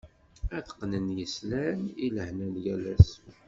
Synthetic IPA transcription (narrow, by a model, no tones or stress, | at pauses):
æθə̥qːnənjəslæniləhnælɡælæs